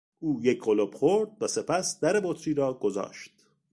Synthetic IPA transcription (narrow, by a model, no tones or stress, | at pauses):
ʔuːjecʰɢolob̥χoɾd̪̥̚væse̞pʰæsd̪̥æɾebot̪ʰɾiːɾɒːɡ̥ozɒ̰ːʃt̪̚